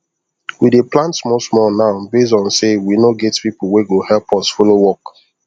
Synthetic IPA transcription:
wideplãntsmɔsmɔnaʊbes̬dɔ̃nsewinoɡɛtpip̩weɡohɛlpʰɔsfolowɔk

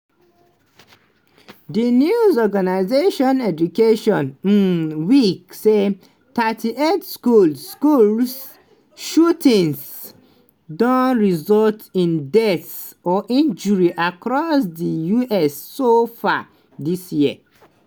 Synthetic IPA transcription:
dinjuzɔɡanaɪzeʃɔ̃nɛd͡ʒukeʃɔ̃n̩ | wikse | tʰatʰiʔetskulkuls | ʃutʰĩŋs | dɔ̃nɹizɔltĩndɛts | ɔʔĩnd͡ʒuɹiʔakɹɔsdijuʔɛsːofa | disjiə̰

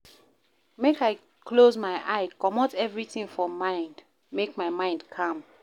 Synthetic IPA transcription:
mekaɪ | klozmaɪʔaɪkɔmɔtɛvɹiθĩŋfɔ̃mãɪ̃nd | mekmaɪmãɪ̃ndkʰãm

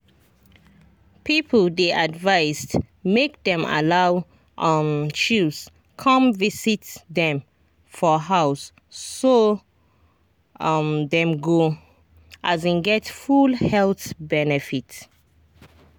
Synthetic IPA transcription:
pʰipʰəldeʔadvaɪst | mek̚dɛ̃ma̰laʊ | ʔmt͡ʃus | kʰʌ̃mvisitdɛ̃m | fɔɦaʊsː | o | mdɛ̃mɡo | ʔazĩnɡɛtfulhɛlθbɛnɛfit

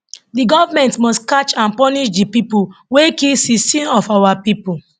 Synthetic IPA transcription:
diɡɔvamɛ̃ntmɔskat͡ʃãnpɔniʃdipipuwekilsisĩnɔfawapipul

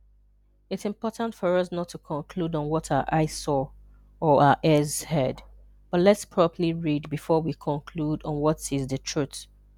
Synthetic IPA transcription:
ɪtsɪ̃mpɔtãntfɔɹʌsnɔtʰːukʰɔ̃nkʰlud̃n̩wɔtʰaʔaɪsɔ | ɔaəʔɛzhɛd | b̥ʌtlɛtspʰɹ̥ɔpəliɹidbifɔwikʰɔ̃nkʰludɔ̃n̩wɔtɪzðətʰɹ̥uθ

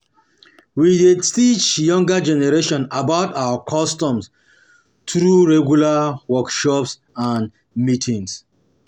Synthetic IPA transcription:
widetit͡ʃjɔ̃ŋɡad͡ʒɛnɛɹeʃɔ̃nabaʊtaakʰɔstɔ̃ms | tɾuɹɛɡjulawɔkʃɔps | ãn | mitʰĩŋs

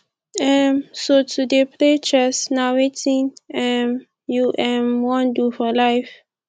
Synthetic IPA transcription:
ɛmsotʰudepʰlet͡ʃɛsnawetʰĩnɛm | juʔɛ̃mwɔ̃ndufɔlajf

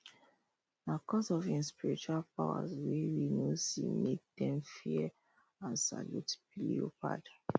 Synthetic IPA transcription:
nakɔsɔvĩnspiɹit͡ʃualpawa̰zwɛɹinosḭmek̚d̥ɛ̃mfi | ãnsa̰lutbilḭopa̰d

